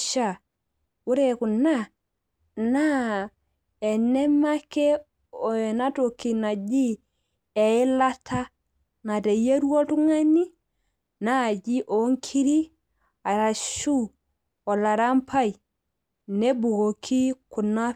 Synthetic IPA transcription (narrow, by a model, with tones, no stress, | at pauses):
ʃa˨ | u˦ɾe˨kʊ˨na˦˨ | na˦ | ɛ˨nɛ˦ma˦kɛ˦ | ɔ˨na˦to˨ki˨na˨d͡ʒi˦ | ɛ˨ɪ˦la˦tʰa˦ | na˨te˨je˦ɾwɔ˦tu˦ŋa˦ni˦ | na˦˨d͡ʒi˦ʔo˨˦ŋkʰi˦ɾi˦ | a˨ɾa˨ʃu˦ | ɔ˨la˨ɾa˦mpʰa˦ji˨ | nɛ˦bu˨ɣo˨kʰi˦kʊ˨na˦